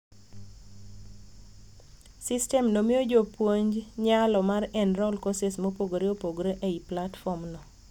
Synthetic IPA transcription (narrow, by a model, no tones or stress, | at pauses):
sɪstɛmnomɪod͡ʒopwoɲd͡ʒɲalɔmarɛnrɔlkɔsesmopoɡoɾɪopoɡɾeʔeiplatfɔmnɔ